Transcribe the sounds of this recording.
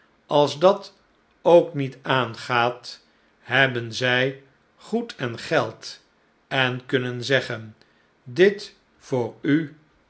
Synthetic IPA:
ʔɑlˠzdɑt | owknitaːnχaːt | ɦɛbənzɛj | χutʰɛnχɛlˠt | ɛnkɵnənzɛχən | dɪt | fʊːɹy

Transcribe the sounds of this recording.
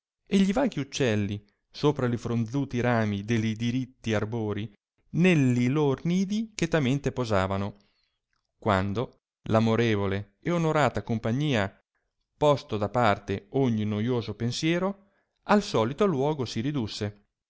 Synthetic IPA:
eʎivaːɡiut͡ʃːɛlːi | soːpɾalifɾond̪zuːt̪iɾaːmid̪elid̪iɾit̪ːiarboːɾi | nelːilorniːd̪ik̟et̪ːament̪epozaːvano | kwa̰nd̪o | lamoɾeːvole | eonoɾaːt̪akompaɲːiːa | pɔst̪od̪apart̪eoɲːinojoːzopensjɛːɾo | alsɔːlit̪olwɔːɡosiɾid̪usːe

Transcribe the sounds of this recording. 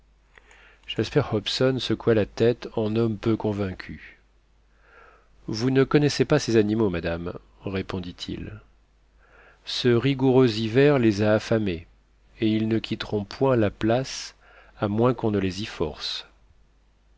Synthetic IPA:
ʒ̥aspɛʁhɔpsɔnsəkwalat̪ɛt̪ɑ̃nɔmpøkɔ̃vɛ̃kʲʰy | vunəkɔnɛsepasezanimomad̪am | ʁepɔ̃d̪it̪ʰḭl | səʁiɡuʁøzivɛʁlezaːfame | eilnəkʲit̪ʁɔ̃pʰwɛ̃laplas | amwɛ̃kɔ̃nəlezifɔ̰ʁs

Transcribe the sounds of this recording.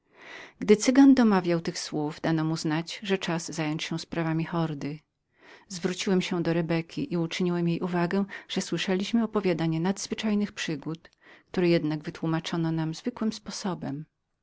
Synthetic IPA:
ɡd̪ɘt̪sɘɡand̪ɔmavʲjawt̪ɘxswuvd̪anɔmuznat͡ɕʐɛt͡ʂaz̥zajɔɲt͡ɕɕɛ̃spɾavamʲixɔɾd̪ɘ | zvɾut͡ɕiwɛmɕɛ̃d̪ɔɾɛbɛkʲiʔiut͡ʂɘɲiwɛmjejʔuvaɡɛ̃ʐ̥ɛswɘʂɛlʲiɕmɘɔpɔvʲjad̪aɲɛnad̪z̥vɘt͡ʂajnɘxpʂɘɡut̪ | k̚t̪uɾɛjɛd̪naɡvɘt̪wumat͡ʂɔnɔnamzvɘkwɘmspɔsɔbɛm

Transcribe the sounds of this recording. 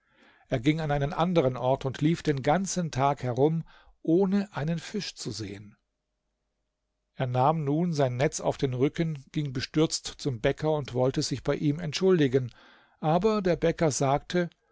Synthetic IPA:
ʔeːɐɡɪŋanʔaɪnənʔandəʁ̞ənʔɔɐtʊntliːfd̥eːnɡant͡səntʰaːkhɛʁʊm | ʔoːnəʔaɪnənfɪʃt͡suzḛːən | ʔeːɐnaːmnuːnzaɪnːɛt͡sa̰ʊfd̥eːnʁʏkənɡ̥ɪŋbəʃtʏɐt͡stt͡sʊmbɛkɐʊntv̥ɔltəzɪçb̥aɪʔiːmɛntʃʊldɪɡən | ʔaːbɐdeːɐbɛkɐzaːk̚tʰə

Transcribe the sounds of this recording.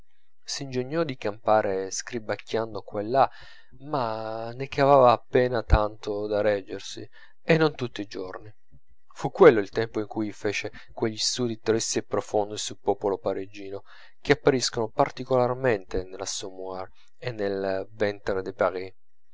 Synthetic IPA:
siind͡ʒeɲːɔd̪ikampaːɾeskɾibakːjanːd̪okwɛlːa | manːekavaːvaːpːɛːnat̪ant̪od̪aɾɛd͡ʒːersi | enːont̪ut̪ːiːd͡ʒorni | fukːwelːoilt̪ɛmpoiŋkujfɛːt͡ʃe | kweʎːist̪uːd̪it̪ɾisiepɾofond̪esulpɔːpolopaɾed͡ʒːiːno | k̟eapːaɾiskonopart̪ikolarment̪enelasɔmuaɾ | enːelvɛnt̪ɾed̪epaʁi

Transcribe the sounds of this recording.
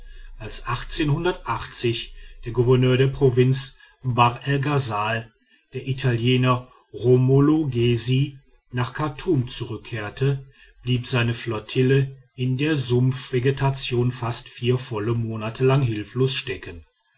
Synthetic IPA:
ʔalsʔaχt͡seːnhʊndɐtʔaχt͡sɪçd̥eːɐɡuvɛɐnøːɐɾeːɐpʁ̥ovɪnt͡s | baʁɛlɡazaːl | d̥eːɐʔitʰaljeːnɐ | ʁomoloɡezi | naːχkʰatʰuːmt͡suʁʏkʰːeːɐtʰə | b̥liːpz̥aɪnəflɔɐtʰɪlə | ɪndeːɐzʊmfv̥eɡetʰat͡sjoːnfastfiːɐfɔləmoːnatʰəlaŋɦɪlfloːsʃtɛkən

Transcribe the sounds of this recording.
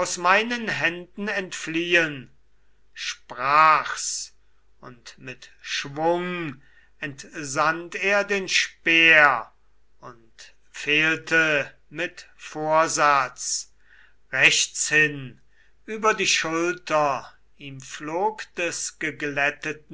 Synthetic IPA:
aʊsmaɪnənɦɛndn̩ɛntfliːən | ʃpʁaːxs | ʊntmɪtʃvʊŋ | ɛntzanteːɐdeːnʃpeːɐ | ʊnt | feːltʰə | mɪtfoːɐzat͡s | ʁɛʃt͡shɪn | ʔyːbɐdiːʃʊltɐ | iːmfloːkd̥ɛsɡ̥əɡlɛtət̚n̩

